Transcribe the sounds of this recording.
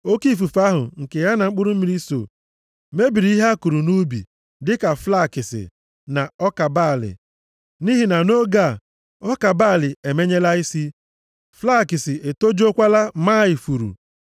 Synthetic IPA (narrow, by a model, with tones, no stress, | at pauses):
o˦ki˦fu˨fa˦ɦʊ̰˨ŋ̩˨ke˨ja˦na˨ŋ͡m̩˦k͡pʊ˦ɾu˦m̩˦mi˨ɾi˦so̰˨ | me˦bi˨ɾi˦i˦ɦa˦ku˨ɾu˨nu˦bḭ˨ | dɪ˦ka˨fla˦˨kɪ˨sɪ̰˨ | na˨ɔ˦ka˨ba˦˨lɪ̰˨ | ni˦ɦi˨na˨no˦ɡa˦˨ | ɔ˦ka˨baː˦˨lɪ˨e˨me˦ɲe˦la˦i˦si˦ | fla˦˨kɪ˨sɪ˨ʔe˨to˦d͡ʒo˦kʷa˦la˦maː˦ɪ˨fu˨ɾṵ˨